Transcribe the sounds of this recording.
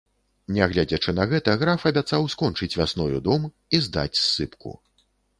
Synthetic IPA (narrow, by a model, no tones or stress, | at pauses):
nʲɛɣlʲad͡zʲɐt͡ʂɨnɐɣɛt̪ɐɣɾafɐbʲat̪sawskɔnt͡ʂɨt͡sʲvʲasnɔjud̪ɔm | izd̪a̰t͡sʲsːɨpkṵ